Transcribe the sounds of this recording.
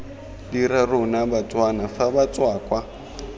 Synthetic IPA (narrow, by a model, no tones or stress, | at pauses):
diɾarunaβat͡sʼwanafaβat͡sʼwaːkwa